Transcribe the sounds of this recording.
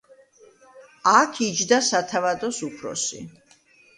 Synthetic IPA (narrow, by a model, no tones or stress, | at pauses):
akʰid͡ʒd̪asat̪ʰavad̪ɔsupʰɾɔ̰sḭ